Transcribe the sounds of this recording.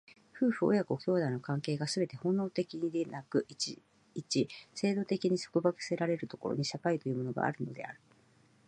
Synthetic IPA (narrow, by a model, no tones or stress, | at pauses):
ɸɯ̟ːɸɯ̟o̰jakɯokʲo̞ːd̪aino̞kãŋke̞ːɡasɨbe̞t̪e̞hõ̞nːo̞ːt̪ekʲiɲid̪e̞nakɯ̟i | it͡ɕise̞ːd̪o̞t̪e̞kʲiɲ̟iso̥kɯ̟bakɯ̥se̞ɾaɾe̞ɾɯ̟t̪o̞̥ko̞̰ɾo̰ɲ̟iɕakait̪o̞jɯ̟ːmo̞noɡa̰a̰ɾɯ̟no̞d̪e̞̰aɾɯ̟